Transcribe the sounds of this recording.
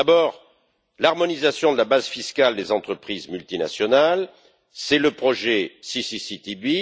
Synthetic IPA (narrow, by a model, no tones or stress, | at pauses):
d̪abɔːʁ | laʁmɔnizasjɔ̃d̪əlabazfiskald̪ezɑ̃t̪χəpχizmylt̪ina̰sjɔnal | sɛləpχɔʒɛsisisit̪ibi